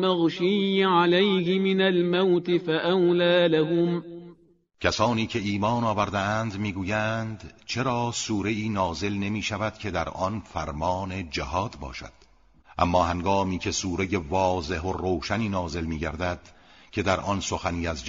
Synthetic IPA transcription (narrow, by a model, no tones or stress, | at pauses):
maɣʃiːʕalajhɪmɪnalmawt̪ɪfaʔawlaːlaɦʊm | cʰæsɒːniːcʰe̞iːmɒːnɒːvæɾd̪eænd̪miːɡuːjænd̪t͡ʃʰe̞ɾɒːsuːɾe̞iːnɒːze̞lne̞miːʃævæd̪̥cʰe̞d̪æɾʔɒnfæɾmɒːne̞d͡ʒæhɒːd̪̥bɒ̰ːʃæ̰d̪̥ | ʔæ̰mːɒːhæŋɡɒːmiːcʰe̞suːɾe̞je̞vɒːze̞ɦoroːʃæniːnɒːze̞lmiːɟæɾd̪æd̪̥ | cʰe̞d̪æɾʔɒnso̞xæniːæzd͡ʒ